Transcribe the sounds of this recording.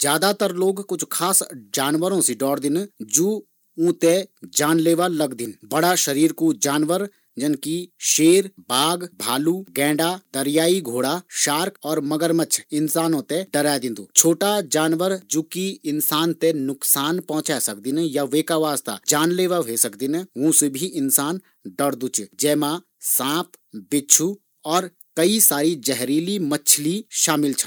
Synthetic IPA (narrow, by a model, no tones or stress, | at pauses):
d͡ʒjaːd̪at̪əɾloːɡkʊt͡ʃʰkʰaːsd͡ʒaːnʋəɾõsiɖɔːɽd̪ɪnd͡ʒuː | ũːt̪ed͡ʒaːnleːʋalɐɡd̪ɪnbəɽaʃɐɾiːɾkud͡ʒaːnʋəɾ | d͡ʒɐnkiʃeːɾbaːɡbʱaːluːɡɛ̃ːɖad̪ɐɾjaːiɡʱoːɽaʃaːɾkɔːɾmɐɡəɾmət͡ʃʰɪnsaːnõt̪eɖɐɾad̪ɪ̃nd̪uːt͡ʃʰoːʈad͡ʒaːnʋəɾd͡ʒukiɪnsaːnt̪enʊksaːnpɔɦʊ̃t͡ʃasɐk̚d̪injaʋeːkaʋaːst̪a̰d͡ʒaːnleːʋəɦesɐkd̪inɛ̃ʋũːsebʱiɪnsaːn | ɖɐɾd̪ut͡ʃd͡ʒɛːmã | sãːpbɪt͡ʃʰu | ɔːɾ | kɐisaːɾid͡ʒɛɦɾiːlimət͡ʃʰliʃaːmɪlt͡ʃʰə